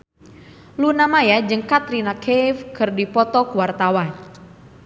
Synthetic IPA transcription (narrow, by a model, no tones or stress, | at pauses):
lunamajad͡ʒəŋkat̪ɾinakʰefkɨrdipɔt̪ɔkuwart̪awan